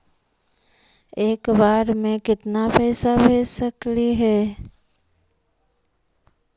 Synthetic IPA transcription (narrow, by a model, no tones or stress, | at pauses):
eːkbaːɾmẽkɪt̪napɛːsabʱeːsəkliɦɛː